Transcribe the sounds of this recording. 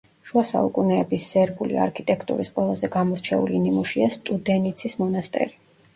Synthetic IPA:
ʃuasa̰ukʼunɛːbisːɛɾbulḭa̰ɾkʰit̪ʼɛkʰt̪ʼṵɾisqʼwɛlˠazɛɡamɔɾt͡ʃʰɛṵlinimuʃiast̪ʼud̪ɛnit̪sʰismɔnast̪ʼɛ̰ɾi

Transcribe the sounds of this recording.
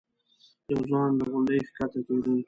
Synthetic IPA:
jawzɑnləɣʊɳɖəjxkat̪akaɾi

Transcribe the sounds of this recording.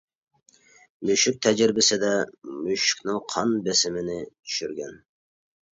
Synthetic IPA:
myʃyk̚ʲt̪ʰɛd͡ʒiɾbɪsɪd̪ɛmyʃy̥kʲnɪŋqʰɑnbesɪmɪnɪt̪ʰy̥ʃyɾɡʲɛn

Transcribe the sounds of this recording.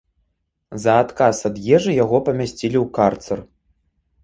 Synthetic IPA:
zɐːt̪kasad̪jɛʐɨjaɣɔpɐmʲasʲt͡sʲilʲiwkart̪sɐr

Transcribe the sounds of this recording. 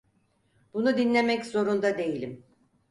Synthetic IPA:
bunud̪inlʲe̞mɛczo̞ɾund̪ad̪e̞jilʲim

